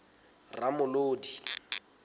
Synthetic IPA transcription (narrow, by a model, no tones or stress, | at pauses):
ramʊloːdi